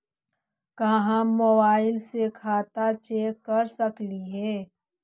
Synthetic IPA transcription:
kaɦãmobaːɪlsekʰaːt̪at͡ʃeːkːɐɾsəkliɦɛː

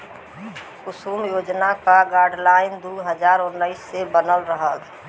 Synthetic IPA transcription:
kʊsuːmjoːd͡ʒnakaɡaːɾɖlaːɪnd̪uɦəd͡ʒaːɾʊnːəɪsːebənəlɾəɦək

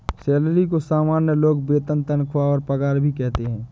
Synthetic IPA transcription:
sɛːlɾik̬osaːmaːnjəloːɡbeːt̪ənt̪ənkʰwaɔːɾpɐɡaːɾbʱikɛɦt̪eɦɛ̃ː

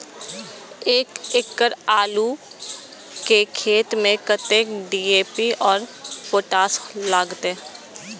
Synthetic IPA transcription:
eːkɪkːəɾaːlu | kekʰeːt̪mẽkət̪eːkɖiːeːpiɔːɾpoːʈaːslaːɡt̪eː

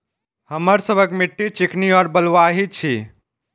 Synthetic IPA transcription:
həməɾsəbʱəkmiʈːit͡ʃikniɔɾbəlʋaɦit͡ʃʰi

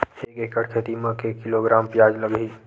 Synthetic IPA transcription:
eːkeːkəɽkʰeːt̪imə̃kekːɪloɡɾaːmpjaːd͡ʒləɡiː

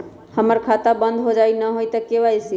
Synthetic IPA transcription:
həməɾkʰat̪abə̃nd̪ʱɦod͡ʒainəɦoit̪əkeʋajsi

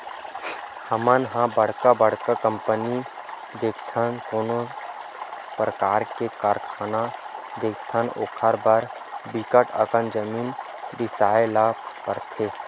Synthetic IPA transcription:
həmənɦãbəɽ̤kabəɽ̤kakə̃mpəni | d̪eːkʰt̪ʰənkoːno | pɾəkaːɾkekaːɾkʰaːnad̪eːk̚ʰt̪ʰəno̰ːkʰaɾbəɾ | bikəʈə̰kənd͡ʒəmiːn | bɪsaːelaːpkəɾt̪ʰeː

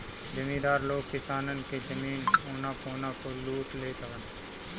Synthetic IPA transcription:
d͡ʒəmĩːd̪aːɾloːɡkɪsaːnənked͡ʒəmiːnoːnãkoːnãkoluːʈleːt̪aʋən

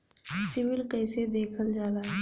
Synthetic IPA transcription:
sɪʋɪlkəːsed̪eːkʰəld͡ʒaːlaː

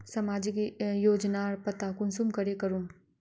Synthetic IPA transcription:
sɐmaːd͡ʒikijoːd͡ʒnaɾpət̪akʊnsumkɐɾekəɾum

